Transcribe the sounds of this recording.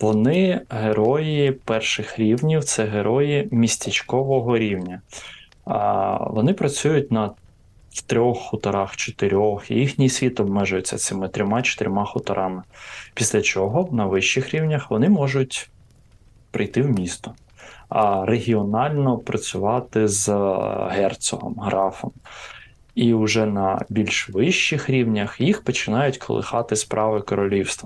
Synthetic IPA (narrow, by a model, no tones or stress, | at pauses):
ʋɔnɪɦeɾɔjipɛrʃɪxɾʲiwnʲiwt̪sɛɦeɾʔɔjimʲisʲtʲet͡ʃkɔʋɔɦɔɾʲiwnʲɐ | ʋɔnɪpɾɐt͡sʲujʊt̚ʲnɐ | t̪ɾʲɔxːʊt̪ɐɾɑxt͡ʃe̥t̪ɪɾʲɔxḭjixnʲijsʲʋʲit̪ɔbmɛʒʊjʊt͡sʲːɐ̰sɪmɪt̪ɾʲɔmɑt͡ʃe̥t̪ɪɾʲmɑxʊt̪ɐɾʔɑmɪpʲisʲlʲɐt͡ʃɔɦɔnɐʋɪʃt͡ʃːɪxɾʲiwnʲɐxʋɔnɪmɔʒʊtʲ | pɾɪjt̪ɪwmʲist̪ɔ | reɦʲiɔnɑlʲnɔpɾɐt͡sʲʊʋɑt̪ɪzɦɛrt̪sɔɦɔ̰mɦɾɑfɔm | iʊʒɛnɐbʲilʲʃʋɪʃt͡ʃːɪxɾʲiwnʲɐxjixpɔt͡ʃɪnɑjʊtʲkʰɔ̰lˠɪ̰xɑt̪ɪspɾʔɑʋɪkɔɾɔlʲiwst̪ʋɐ